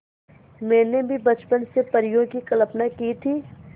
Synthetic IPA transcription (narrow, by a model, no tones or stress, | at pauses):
mɛ̃ːnebʱibɐt͡ʃpənsepəɾɪjõkikələpnakiːt̪ʰiː